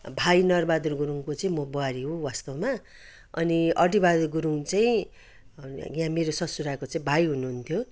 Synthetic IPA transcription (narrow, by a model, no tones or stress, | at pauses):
bʱajnʌrbad̪urɡuɾuŋkot͡saĩmʌboaɾiɦowast̪ʌma | ʌ̰niʔʌʈibad̪urɡuɾuŋt͡saĩ | jãmeɾosʌsuɾakot͡saĩbʱajɦunuɦunt̪ʰjo